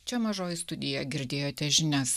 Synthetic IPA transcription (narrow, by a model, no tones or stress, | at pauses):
t͡ʃʲɛmɐʒoːjɪst̪ʊd̪ʲɪjɛɡʲɪɾʲd̪ʲeːjoːt̪ʲɛʒʲɪnʲɛs